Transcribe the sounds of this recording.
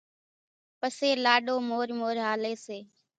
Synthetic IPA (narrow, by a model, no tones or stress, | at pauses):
pəseːlaːɗoːmoːɾmoːɾɦaːleːseː